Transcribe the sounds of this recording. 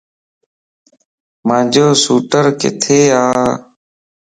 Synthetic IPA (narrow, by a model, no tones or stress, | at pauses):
mãːd͡ʒʱoːsuːʈəɾkɪ̰t̪ʰeːaː